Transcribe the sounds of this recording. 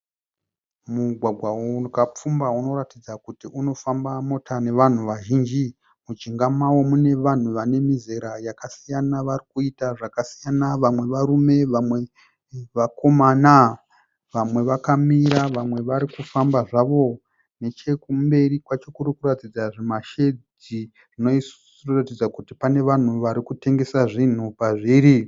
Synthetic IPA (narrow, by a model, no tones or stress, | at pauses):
muɡʱwaɡʱwakap͡fumbauno̞ɾatid͡zakutiuno̞fambamo̞tʰane̞ʋan̤uʋaʒiːnd͡ʒi | mut͡ʃiŋɡamawo̞mune̞ʋan̤uʋane̞mize̞ɾajakasijanaʋarikuitaʐakasijanaʋamwe̞ʋaɾume̞ʋamwe̞ | ʋako̞mana | ʋamwe̞ʋakamiɾaʋamwe̞ʋaɾikufambaʐaʋo̞ | ne̞t͡ʃe̞kumbe̞rikwat͡ʃo̞kuɾikuɾatid͡zaʐemaʃe̞d͡zi | ʐ̥ino̞is | ratid͡zakutipane̞ʋan̤uʋaɾikute̞ŋɡe̞saʐin̤upaʐiɾi